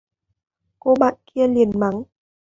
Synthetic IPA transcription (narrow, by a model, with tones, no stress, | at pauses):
ko˧ɓa̰ː˧˨nki˧əli˨˩ənma˨˦ŋ